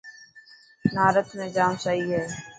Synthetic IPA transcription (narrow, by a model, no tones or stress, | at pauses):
naːɾət̪mẽːd͡ʒaːmsəɦiːɦɛː